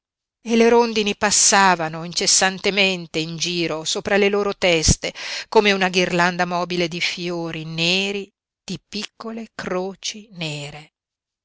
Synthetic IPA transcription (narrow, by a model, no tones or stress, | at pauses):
eleɾond̪inipasːaːvanoint͡ʃesːant̪ement̪eind͡ʒiːɾosoːpɾaleloːɾot̪ɛst̪ekoːmeunaɡirland̪amɔːbiled̪ifjoːɾineːɾi | d̪̥ipikːolekɾoːt͡ʃineːɾe